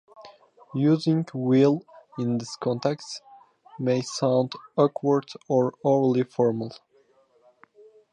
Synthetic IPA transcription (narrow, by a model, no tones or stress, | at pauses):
juzɪ̃ŋwilˠɪ̃nðɪskʰɔ̃ntɛkst | mesãʊ̃ndʌkʰwəɹdɔɹɔlifɔɹməl̩ˠ